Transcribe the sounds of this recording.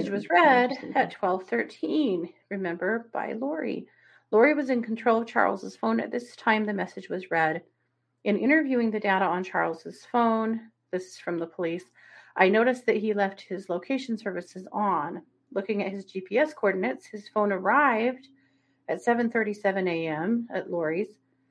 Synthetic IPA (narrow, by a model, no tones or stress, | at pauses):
ɨd͡ʒwʌzɹɛɾɨtʰw̥ɛlˠv̥θɜ˞tʰĩnɹɨmɛ̃mbə˞ba̰ɪlɔɹḭ | lɔɹiwʌzɨ̃nkʰn̩tʰɹ̥oʊlˠʌv̥t͡ʃʰɑ̰ɹlˠzəz̥fõʊ̃nɨ̰t̪̚ðɪstʰãɪ̃mðɨmɛsɨd͡ʒwʌzɹɛɾ | ʔɨ̃nʔɪ̰̃ɾ̃ə˞vjʉɪ̃ŋðɨdaʊɾəə̃nt͡ʃʰɑ̰ɹlˠz̥ɨz̥fõʊ̃n | ðɪsfɹʌ̃mðəpʰəlis | ʔaɪnoʊɾɨsðɨt̚ɦilɛft̚hɨzloʊkʰeɪʃn̩sɜ˞vɨsɨzn̩ | lʊkɪ̃ŋɨt̚hɨzd͡ʒipʰiɛskʰɔɹdⁿn̩ɨtshɨz̥fõʊ̃nə˞aɪvd | ɨtsɛvɨ̃nθɜ˞ɾisɛvɨ̃neɪɛ̃mɨ̰tˡlɔɹiz̥